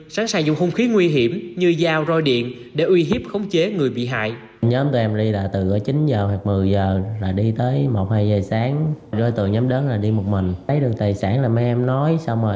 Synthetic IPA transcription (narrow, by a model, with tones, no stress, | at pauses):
saː˨˦ŋsaː˧˩zʊ̰˧˨ŋ͡mho˧wŋ͡mxi˨˦ŋwi˧ɦi˧˩əmɲɨ˧zaː˧wzo˧jɗḭ˧˨ən | ɗe˧˩ʔwi˧ɦi˦˥p̚xə˨˦wŋ͡mt͡ɕe˨˦ŋɨ˨˩əjɓḭ˧˨ɦa̰ː˧˨j | ɲəː˨˦mt̪u˧ʔɛ˧mɗi˧la̰ː˨˩t̪ɨ˨˩ʔəː˨˦t͡ɕi˨˦nzəː˨˩waː˨˩k̚mɨ˨˩əjzəː˨˩laː˨˩ɗi˧t̪əː˨˦jmo˨˩t̚haː˧jzəː˨˩jsaː˨˦ŋzɔ˧jt̪ɨ̰˧˨əŋɲɔ˨˦mɗe˨˦nlaː˨˩ɗi˧mo˨˩t̚mï˨˩ŋ̟ə˨˦jɗɨ˨˩ək̚t̪aː˨˩jsaː˧˩nlaː˨˩m˧˦ʔɛ˧mnɔ˨˦jsa˧wŋ͡mməː˨˩